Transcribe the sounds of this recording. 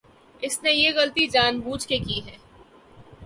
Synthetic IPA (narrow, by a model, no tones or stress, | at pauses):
ɪsnejeɣɐlt̪id͡ʒaːnbuːd͡ʒkekiɦɛː